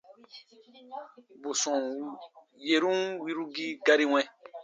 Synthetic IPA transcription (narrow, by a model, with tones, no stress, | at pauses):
bo˨sɔ̃˨ | je˨ɾũ˦wi˦ɾu˦ɡi˦ɡa˦ɾi˦w̃ɛ̃˦